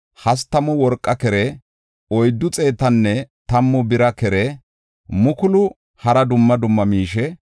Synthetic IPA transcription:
hɐst̪ːɐmʊwɔɾkʼːɐkɛɾɛ | ɔjd̪ːʊt͡sʼe̞ːt̪ɐnːɛt̪ɐmːʊbɪɾɐkɛɾɛ | mʊkʊlʊ | hɐɾɐd̪ʊmːɐd̪ʊmːɐmiːʃɛ

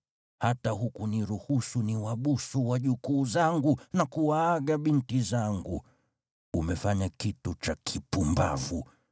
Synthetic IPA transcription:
hataɦukuniɾuhusuniwaɓusuwaʄukuːzaŋɡunakuwaːɠaɓintizaŋɡṵ | umɛfaɲakitut͡ʃakʰipumba̰vu

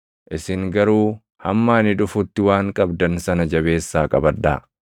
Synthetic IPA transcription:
ʔɪsɪŋɡɐɾuː | hɐmːaːnɪᶑʊfʊt̪ːɪwaːŋkʼɐbd̪ɐnsɐnɐd͡ʒɐβe̞ːsːaːkʼɐbɐd̪ːa̰ː

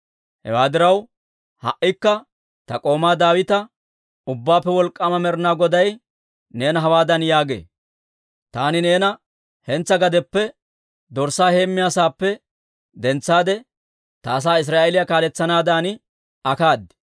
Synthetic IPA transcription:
hɛ̰waːd̪ɪɾɐw | hɐ̰ʔɪkːɐ | t̪ɐkʼo̞ːmaːd̪aːwɪt̪ɐ | ʊbːaːpːɛwɔlkʼːɐmɐmɛɾnaːɡɔd̪ɐj | ne̞ːnɐɦɐwaːd̪ɐnjaːɡḛː | t̪aːnɪne̞ːnɐ | hɛnt͡sːɐɡɐd̪ɛpːɛ | d̪ɔɾsaːhe̞ːmːɪjaːsaːpːɛ | d̪ɛnt͡sːaːd̪ɛ | t̪ɐːs̬aːɪs̬ɾaːʔelɪjakaːlɛt͡sːɐnaːd̪aːn | ɐkaːd̪ɛ̥

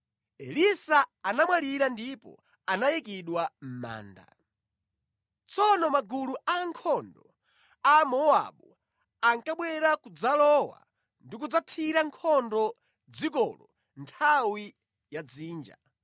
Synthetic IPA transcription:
ɛlisaːnamwaliɾandipɔ̰ | anajikiɗwam̩ma̰ːnda̰ | t͡sɔnɔmaɡuluaŋkʰɔndɔ | amɔa̰ɓu | aŋkaɓwɛɾakud͡zalɔwa̰ | ndik̬ud͡zatʰiɾaŋkʰɔndɔ | d͡zikɔlɔ | ntʰawi | jad͡ziːnd͡ʒa

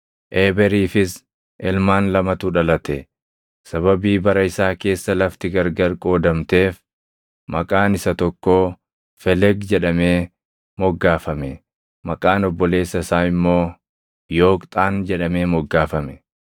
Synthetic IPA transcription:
ʔeːbɛɾiːfɪs | ʔɛlmaːnlɐmɐt̪uᶑɐlɐt̪ɛ | sɐβɐbiːbɐɾɐɪsaːke̞ːsːɐlɐft̪ɪɡɐɾɡɐɾkʼo̞ːd̪ɐmt̪e̞ːf | mɐkʼaːnɪsɐt̪ɔkːo̞ː | fɛlɛɡd͡ʒɛᶑɐme̞ː | mɔɡːaːfɐmɛ | mɐkʼaːnɔbːɔle̞ːsːɐɪsaːɪmːo̞ː | jo̞ːkt̪ʼaːnd͡ʒɛᶑɐme̞ːmɔɡːaːfɐmɛ̥

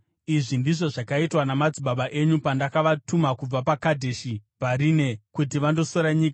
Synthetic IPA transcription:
iʐindiʐo̞ʐakaitwanamad͡ziɓaɓaʔe̞ɲupandakaʋatumakub͡vapakadʱeʃipaɾine̞kutiʋando̞soɾaɲiːka

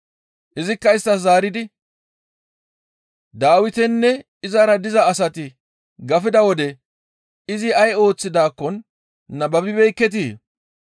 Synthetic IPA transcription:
ʔɪzɪkːɐɪst̪ːɐszaːɾɪd̪ɪ | d̪aːwɪt̪ɛnːɛ | ɪzɐɾɐd̪ɪzɐːsɐt̪ɪ | ɡɐfɪd̪ɐwɔd̪ɛ | ɪzɪɐjo̞ːt͡sːɪd̪aːkːɔnː | ɐbɐbɪbɛjkːɛt̪̬iː

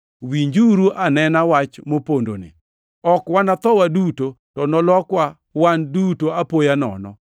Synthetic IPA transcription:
wiɲd͡ʒuɾuʔanɛnawat͡ʃmopondo̰nɪ̰ | ɔkwanat̪ɔwaduto | tɔnɔlɔkwa | wandutoapojanɔ̰nɔ̰

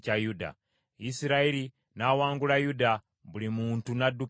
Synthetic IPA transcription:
t͡ʃajuda̰ | isiɾaeɾi | nawaːŋɡulajuda | bulimuːntunadu

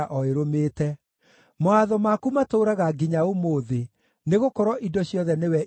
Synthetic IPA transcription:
ʔɔeɾomeːtɛ | moaðɔmakumatoɾaɣaɡiɲaomoːðe | neɣokɔɾɔʔidɔɕjɔðɛnewɛ

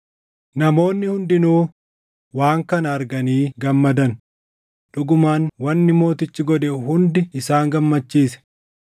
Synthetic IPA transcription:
nɐmo̞ːnːɪhʊnd̪ɪnuː | waːŋkɐnɐɐɾɡɐniːɡɐmːɐd̪ɐn | ᶑʊɡʊmaːnwɐnːɪmo̞ːt̪ɪt͡ʃːɪɡɔᶑ̪ɛhʊnd̪ɪɪsaːŋɡɐmːɐt͡ʃːiːsɛ̥

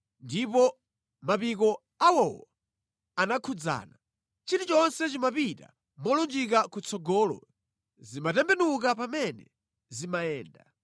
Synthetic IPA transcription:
ndipɔ | mapik̬ɔ | awɔwɔ̰ | anakʰud͡za̰ːna | t͡ʃitut͡ʃɔnsɛt͡ʃimapita̰ | mɔlund͡ʒik̬akut͡sʰɔɡɔːlɔ̰ | zimatɛmbɛnuk̬apamɛnɛ | zimajɛːnda

